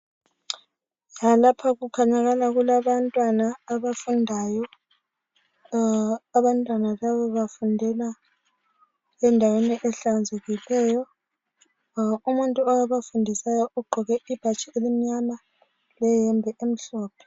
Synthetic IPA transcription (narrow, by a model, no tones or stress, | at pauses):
jalapʰaɣukʰaɲaɣalaɣulaβantʼwanaːβafundʱaːjɔ | βantʼwanalaβɔβafundʱɛla | ɛndʱaweniʔɛɬand͡zʱeɣilɛːjɔ | umuntʼuɔjaβafundʱisajɔʔuɡ͡ǃʱɔɣɛʔib̥ʱat͡ʃʼɛelim̩ɲama | lɛjɛmbʱɛʔem̩ɬɔːpʰɛ̥